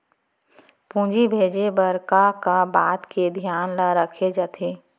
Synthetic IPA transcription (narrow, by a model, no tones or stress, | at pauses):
pũːd͡ʒibʱeːd͡ʒebəɾkakabaːt̪ked̪ʱjaːnlaɾəkʰed͡ʒat̪ʰeː